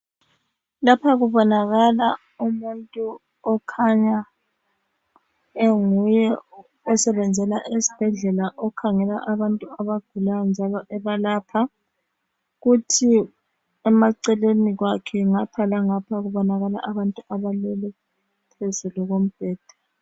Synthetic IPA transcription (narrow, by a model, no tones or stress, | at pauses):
lapʰaɣuβɔnaɣala | umuntʼu | ɔkʰaɲa | eŋujɛ | ɔsɛβɛnd͡zʱɛlaʔesi̥b̥ʱɛɮɛlaʔɔkʰaŋɛla̰ʔaβantʼuaβaɡ̥ʱulajɔnd͡ʒʱalɔʔɛβalapʰa | ɣutʰi | ɛmaǀɛleniɣwakʰɛŋapʰalaŋapʰaɣuβɔnaɣala̰ʔaβantʼuʔaβalɛlɛ | pʰezuluɣom̩b̥ʱɛːd̥ʱḁ